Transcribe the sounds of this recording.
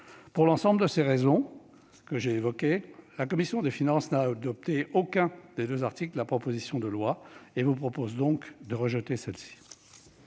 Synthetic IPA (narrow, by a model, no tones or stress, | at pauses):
puʁlɑ̃sɑ̃bld̪əseʁezɔ̃ | kəʒeːvɔkʲelakɔmisjɔ̃d̪efinɑ̃snaːd̪ɔp̚t̪eokʲɛ̃d̪ed̪øzaʁt̪iklapχɔpozisjɔ̃d̪əlwaevupχɔpozd̪ɔ̃kd̪əʁəʒət̪esɛlsi̥